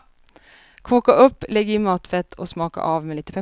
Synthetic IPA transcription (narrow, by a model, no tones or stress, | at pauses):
kʰuːkaʔɵpːlɛɡəɪmɑːt̪fɛt̪ʰːɔsmɑːka̰ʔɑːʋmeːliːt̪əpʰɛ